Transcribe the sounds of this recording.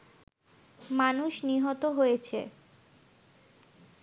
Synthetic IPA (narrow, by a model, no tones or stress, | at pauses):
manuʃniɦɔt̪oɦojet͡ɕʰḛ